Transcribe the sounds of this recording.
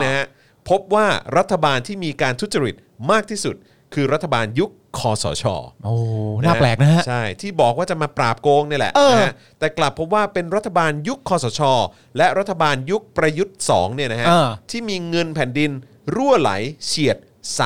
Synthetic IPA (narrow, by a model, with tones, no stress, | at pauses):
na˦˥kʰa˦˥ | pʰo˦˥p̚waː˥˩ɾa˦˥t̪ʰːa˧baː˧nt̪ʰiː˥˩miː˧kaː˧nt̪ʰu˦˥t̪̚t͡ɕa˧ɾi˨˩t̪̚maː˥˩k̚t̪ʰiː˥˩su˨˩t̪̚ | kʰɯː˧ɾa˦˥t̪ʰːa˧baː˧nju˦˥kʰːɔː˧sɔ̰ː˩˦t͡ɕʰɔ̰ː˧ʔoː˨˧˩naː˥˩˥plɛː˨˩k̚na˦˥ha˦˥t͡ɕʰa˥˩jt̪ʰiː˥˩bɔː˨˩k̚waː˥˩t͡ɕa˨˩maː˧pɾaː˨˩p̚koː˧ŋni˥˩lɛ̰˨˩ʔɤː˧a˧˦˥a˦˥ | t̪ɛː˨˩kla˨˩pʰːp̬̚waː˥˩pe˧nɾa˦˥t̪ʰːa˧baː˧nju˦˥kʰːɔː˧sɔː˩˦t͡ɕʰɔː˧ | lɛ˦˥ʔɾa˦˥t̪ʰːa˧baː˧nju˦˥k̚pɾa˧ju˦˥t̪̚sɔ̰ː˩˦ŋni˥˩ɐna˦˥kʰa˦˥˧t̪ʰiː˥˩miː˧ŋɤ˧npʰɛː˩˦ndi˧n | ɾu˥˩əla̰˩˦jt͡ɕʰi˨˩ət̪̚ | sa˨˩